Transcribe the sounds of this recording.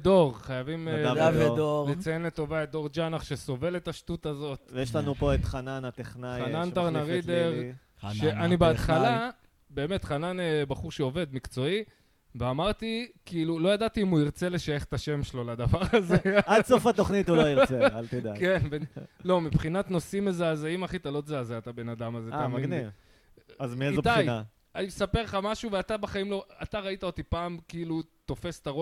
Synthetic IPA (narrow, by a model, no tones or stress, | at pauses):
d̪o̞ʁχajavimed̪olet͡sajenlet̪ːo̞vaed̪o̞ʁd͡ʒanaχʃe̞so̞ve̞le̞t̪aʃtut̪azo̞t̪jeʃlanupoet̪χananat̪eχnaχanant̪aʁnaʁid̪eʁ | ʃeanibeat̪χala | be̞ːme̞t̪χananebaχuʁʃeo̞ve̞d̪mikt͡so̞i | veamaʁt̪ikiːlulo̞jad̪at̪iimuiʁt͡se̞le̞ʃaje̞χe̥t̪aʃe̞mʃelo̞lad̪avaʁazeadsofaoχnituloiʁealt̪edakenbelo̞mipχinat̪no̞simezaːzaimaχit̪alo̞zaːzeat̪abe̞nad̪amazeɡaminiv | azmieizot̪aja | animsape̞ʁχamaʃuveat̪abaχaimlo̞at̪aʁait̪aot̪ipaːmkiːlut̪o̞fe̞st̪aʁo